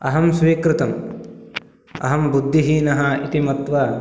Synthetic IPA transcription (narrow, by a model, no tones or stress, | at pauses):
ɐ̰ɦɐmsʋiːkɾɪt̪ɐm | ɐ̰ɦɐmbud̪ʱːiɦinɐɦɐit̪imɐt̪ʋɐ